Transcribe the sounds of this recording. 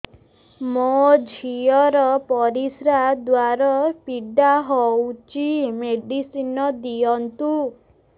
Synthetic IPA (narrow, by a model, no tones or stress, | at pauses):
mod͡ʒʱiɔɾɔpɔɾisɾad̪waɾɔpiɖaɦɔwt͡ʃimeɖisinɔd̪iɔnt̪u